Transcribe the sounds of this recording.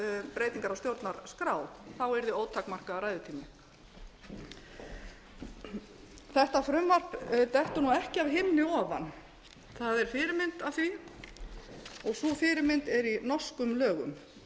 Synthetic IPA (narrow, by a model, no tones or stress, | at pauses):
pɾeːjt̪iŋkaɾawst̪jowɾt̪naɾskɾaːwθawɛɾðɪoːwt̪ʰakmar̥kaːɾaːjðʏt̪ʰiːmɪ | θɛht̪afɾʏmvar̥pt̪ɛht̪ʏnuɛhcɪavɦɪmnɪɔːva̰n | θaðɛɾ̥fɪːɾɪmɪnt̪avθi | ɔɣsɔfɪːɾɪmɪnt̪ɛɾinɔ̥skʏmlœːɣʏ̰m